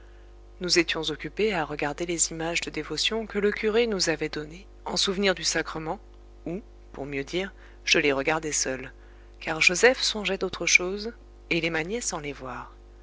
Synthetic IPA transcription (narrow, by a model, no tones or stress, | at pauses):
nuzet̪jɔ̃zɔkʲypeaʁəɡaʁd̪elezimaʒd̪əd̪evɔsjɔ̃kələkʲyʁenuzavɛd̪ɔne | ɑ̃suvniʁd̪ysakχəmɑ̃ | u | puʁmjød̪iːʁ | ʒ̥əleʁəɡaʁd̪ɛsœl | kaʁʒozɛfsɔ̃ʒɛd̪ot̪χəʃoz | elemaɲɛsɑ̃levwaːʁ